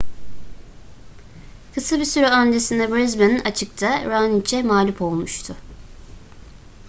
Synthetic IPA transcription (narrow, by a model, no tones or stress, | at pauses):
kʰɯsabisyɾyand̪esind̪ɛbɾɛzbeninʔat͡ʃʰɯk̚t̪ʰaɾanit͡ʃʰɛmaːlʲipʰo̞lˠmuʃt̪ʰʊ